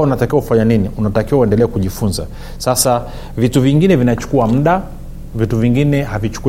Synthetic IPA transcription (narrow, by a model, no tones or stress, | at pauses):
unatakiwakufaɲaniniunatakiwauɛndɛlɛːkuʄifunza̰ | sasa | vituviŋɡinɛvinat͡ʃu̥kuwam̩ɗa | vituviŋɡinɛhavit͡ʃu̥ku